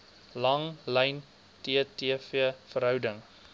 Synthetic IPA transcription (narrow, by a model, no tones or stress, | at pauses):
lɐŋləjn | tiətiəfiəfəɾɦœwdəŋ